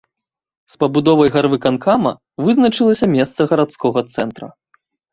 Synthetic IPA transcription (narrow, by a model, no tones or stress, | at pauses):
spɐbud̪ɔvɐjɣarvɨkankamɐ̰ | vɨznɐt͡ʂɨlˠɐsʲɐmʲɛst̪sɐɣɐɾat̪skɔɣɐt̪sɛnt̪ɾɐ̰